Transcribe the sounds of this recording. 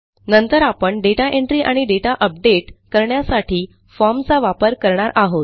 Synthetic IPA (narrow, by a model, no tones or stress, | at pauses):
nənt̪əɾapəɳɖeʈaʔeɳʈɾiːʔaɽ̃iɖeʈaʔəp̚ɖeʈkəɾɳjasaʈʰiː | fɔmt͡saʋapəɾkəɾɳaɾʔaɦot̪̚